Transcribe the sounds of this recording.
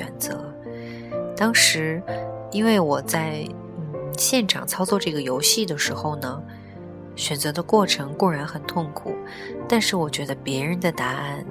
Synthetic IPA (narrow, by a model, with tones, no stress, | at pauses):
ɥɛ̰˨˩nt͡sɤ˧˥ | t̪ɑ˥ŋʂɻ̩˧˥i˥nwe˥˩ɪwɔ˨˩t͡sa˥˩ɪ | n̩˥˩ɕjɛ˥˩nʈ͡ʂʰɑ̰˨˩ŋt͡sʰɑ˥ʊt͡swɔ˥˧ʈ͡ʂɤ˥˩ɡə˩jo˧˥ʊɕi˥˩d̪ə˩ʂɻ̩˧˥xo˥˧ʊnə˩ | ɕɥɛ˨˩nt͡sɤ˧˥d̪ə˧kwɔ˥˩ʈ͡ʂʰɤ˧˥ŋkʊ˥˩ɻa˧˥nxə˨˩nt̪ʰʊ˥˩ŋkʰṵ˨˩˦ | t̪a˥˧nʂɻ̩˥˩wɔ˨˩t͡ɕɥɛ˧˥d̪ə˧pjɛ˧˥ɻə˧˥nd̪ə˧t̪a˧˥a˥˩n